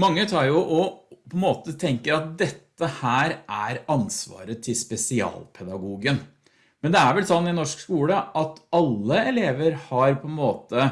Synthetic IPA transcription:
mɑŋːət̪ʰɑːɾjʊʔɔpʰɔɛnmoːt̪ət̪ʰɛŋkəɾɑt̪̚d̪ɛt̪ːəhæːɾʔæɾɑnsʋɑ̰ːɾət̪ʰɪspɛsɪɑ̰ːlpʰɛd̪ɑɡuːɡən | mɛnd̪ɛæɾʋɛlsɔnːɪnɔʂkskuːləʔɑt̪ɑlːəɛleːʋəɾhɑɾpʰɔɛnmoːt̪ə

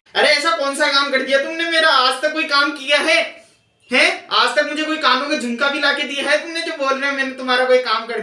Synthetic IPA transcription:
ɐɾeɛːsakɔːnsakaːmkɐɾd̪ijat̪ʊmnemeːɾaaːd͡ʒt̪ɐkːoːikaːmkijaɦɛː | ɦɛ̃ːaːd͡ʒt̪ɐkmʊd͡ʒʱekoːikãːdõk̬ed͡ʒʱʊ̃ŋkabʱilaːked̪ijaɦɛt̪ʊmned͡ʒoːboːlɾaɦɛ̃mɛ̃ːnet̪ʊmɦaːɾakoːikaːmkɐɾd̪i

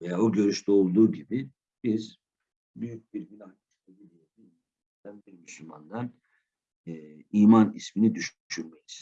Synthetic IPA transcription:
vejaoɟø̞ɾyʃt̪ʰɛo̞lˠd̪uːɟibi | b̥iz | byjyc̚biɾbilʲaniʃlebid̪ʲijedi | i | id̪ænbiɾmyslʲuma̰nd̪an | iːmanisminid̪yʃyʃyɾmejiz̥

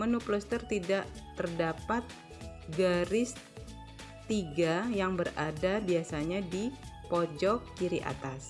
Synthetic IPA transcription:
mənuplɔst̪ərt̪idaʔt̪ərdapat̪̚ | ɡaɾɪs | t̪iɡajaŋbəradabiasaɲadipɔd͡ʒɔk̚kiɾiʔa̰t̪as

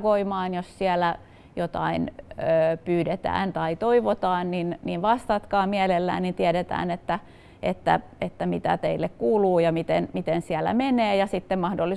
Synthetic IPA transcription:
koimɑːnjossiælæ | jot̪ɑ̰inøːpyːdet̪æ̰ːnt̪ɑit̪oiʋot̪ɑːnninninʋɑst̪ɑt̪kɑːmiælelːæ̰ːnnint̪iæɾet̪æ̰ːnet̪ːæ | ʔet̪ːæ̰ | et̪ːæmit̪æ̰t̪eilːekkuːluːjɑmit̪enmit̪ensiælːˑæ̰meneːjɑsit̪ːemmɑhdolːi

